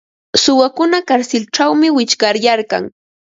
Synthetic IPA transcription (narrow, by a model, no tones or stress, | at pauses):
sʊwakʊnakaɾsɪlʈ͡ʂawmɪwɪt͡ʃkaɾjaɾka̰ŋ